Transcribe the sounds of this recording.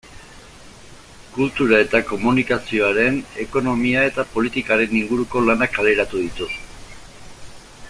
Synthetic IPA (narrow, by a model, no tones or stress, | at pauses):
kult̪uɾae̞t̪ako̞munikasio̞aɾe̞ne̞ko̞no̞miae̞t̪apo̞lit̪ikaɾe̞niŋɡuɾuko̞lanakale̞ɾat̪uð̞it̪us